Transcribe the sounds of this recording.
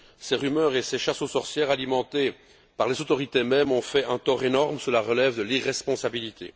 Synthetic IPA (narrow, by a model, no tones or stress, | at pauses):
seʁymœːʁeseʃasosɔʁsjɛʁalimɑ̃t̪e | paʁlezot̪ɔʁit̪emɛmɔ̃fɛɛ̃t̪ɔʁenɔʁmsəlaʁəlɛvd̪əliʁɛspɔ̃sabilit̪ʰḛ